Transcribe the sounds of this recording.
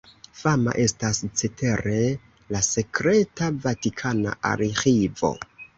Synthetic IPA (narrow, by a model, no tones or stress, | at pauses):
fama̰ʔe̞stast͡setʰe̞ɾe̞ | lase̞kɾe̞tavatikʰana̰a̰ɾxivo̞̰